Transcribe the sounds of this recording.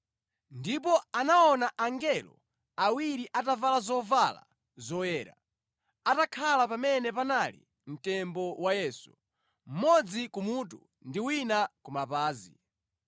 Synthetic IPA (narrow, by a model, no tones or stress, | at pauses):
ndipɔanaɔnaʔaŋɡɛlɔ̰ | awiɾiʔatavalazɔvala̰ | zɔjɛːɾa | atakʰalapamɛnɛpanalḭ | m̩tɛmbɔwajɛsu | m̩mɔd͡zikumuːtu | ndiwinakumapaːzḭ